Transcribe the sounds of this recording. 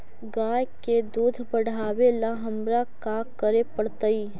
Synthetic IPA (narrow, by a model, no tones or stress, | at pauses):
ɡaːjked̪uːd̪ʱbəɽ̤ʱaːwelaɦəmɾakakəɾepəɽt̪əi